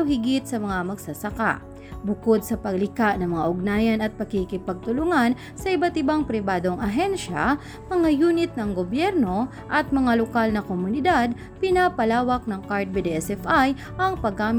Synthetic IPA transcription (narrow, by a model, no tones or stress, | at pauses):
hɪɡɪt̪sɐmɐŋamɐɡsɐsɐka̰ʔ | bʊkod̪̚sɐpɐɡlɪkaʔnɐŋmɐŋaʔʊɡ̚naːjɐnɐt̪̚pɐkikɪpɐɡ̚t̪ʊlʊŋan | sɐʔɪbat̪ɪbaŋpɾɪbaːd̪o̞ŋʔɐɦɛnʃa̰ | mɐŋajuːnɪt̪̚nɐŋɡobjɛɾno̞ | ʔɐt̪̚mɐŋalokalnɐkomʊnɪd̪ad̪̚ | pɪnaːpɐlaːwɐk̚nɐŋkaɹt̪̚bɪd̪iɛsɛfaj | ʔɐŋpɐɡaːm